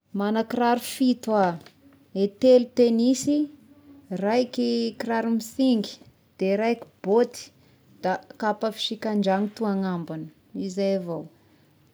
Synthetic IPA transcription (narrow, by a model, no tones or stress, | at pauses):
manakiɾaɾufit̪a | et̪elut̪enisi | rajkʲikiraɾumisiŋɡi̥ | d̪̥eɾajkʲi̥b̥ot̪i̥ | d̪̥akapəfi̥ʃikʲand͡ʒaŋit̪uaŋambanə̥ | izajavaw